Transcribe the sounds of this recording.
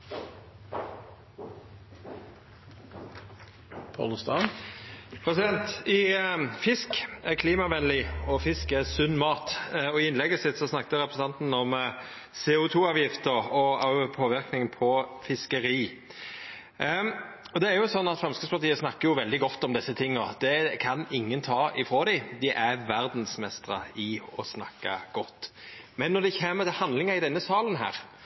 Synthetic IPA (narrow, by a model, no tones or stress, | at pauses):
pʰɑ̰lst̪ɑː | pʰɾɛsɪd̪ɛnt̪ɪfɪskækʰliːmɑʋɛnlɪɔfɪskæsʉnːmɑːt̪ɔɪɪnlɛɡəsɪt̪ːsɔsnɑkːt̪əɾɛpɾʁsn̩ɑnt̪n̩ɔm | sɛːʊt̪ʰuːɑːʋjɪft̪əɾɔɑʋpʰoːʋɪɾknɪŋənpʰɔfɪskəɾiː | ɔd̪ɛæɾjʊsɔnːɑt̪fʁɑmskəspʰɑʁt̪iːəsnɑkːəɾjʊʋɛld̪ɪɡɔt̪ːɔmd̪ɪsːət̪ʰɪŋːɔd̪̥ɛkʰɑnɪŋːənt̪ʰɑːʔɪfɾoːd̪æɪd̪ɪʔæʋæɾd̪nsmɛst̪ʁə̰ɪɔsnɑkːɑɡ̥ɔt̪ːmɛnːɔd̪ɛɪçeːmət̪ʰɪlhɑnd̪lɪŋɑɪd̪ɛnːəsɑːlənɦæ̰ːɾ